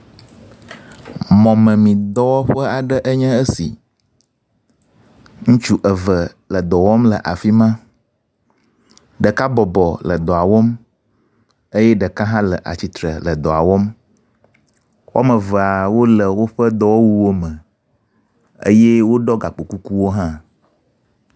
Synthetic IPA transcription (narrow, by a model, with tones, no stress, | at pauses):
mɔ̃˨mə̃˨mĩ˨d̪ɔ˦wɔ˦ɸə˦a˨ɖə˦ʔə˦ɲɛ̃˦ə˦sḭ˨ | ŋũ˦t͡ʃu˦ʔə˨və˨ | lə˨d̪ɔ˨wɔ˦mlə˨ʔa˨fi˦mã˦ | ɖə˨ka˦bɔ˨bɔ˨lə˨d̪ɔ˨a˨wɔ˦m | ə˦jɛ˦ɖə˨ka˦ɦã˦lə˨ʔa̰˨t͡ɕi˨t̪ɾə̰˨lə˨d̪ɔ˨a˨wɔ˦m | wɔ̰˦mə̃˨və˨a˨wo˦lə˨wo˦ɸə˦d̪ɔ˦wɔ˦wu˦wo˦mə̃˨ | ə̰˦jɛ˦wo˦ɖɔ˦ɡa˨k͡po˨ku˦ku˦wo˦ɦã˦